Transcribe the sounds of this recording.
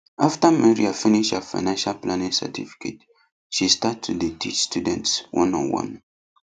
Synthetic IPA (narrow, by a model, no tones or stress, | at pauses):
aftəmɛɹiafiniʃhəfa̰ɪnãnʃalplanĩŋsɛ̰tifi̥kʰḛt | ʃistatʰːuditʰit͡ʃstudɛ̃ntswɔ̰̃nɔ̰̃nwɔ̰̃n